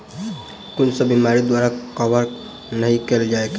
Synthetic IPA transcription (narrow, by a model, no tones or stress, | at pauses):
kunsəbimaɾid̪waɾakəbəɾ | nəɦikeld͡ʒaek